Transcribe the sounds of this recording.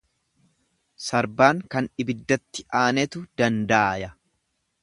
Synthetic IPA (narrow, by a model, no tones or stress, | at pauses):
sɐɾbaːŋkɐnɪbɪd̪ːɐt̪ːɪʔaːnɛt̪ʊd̪̥ɐnd̪aːjɐ